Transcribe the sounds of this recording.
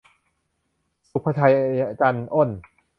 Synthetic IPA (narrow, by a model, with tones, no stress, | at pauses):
su˨˩k̚pʰa˧t̪ʰa˧jʔa˧ja˧ka˧nʔo˥˩n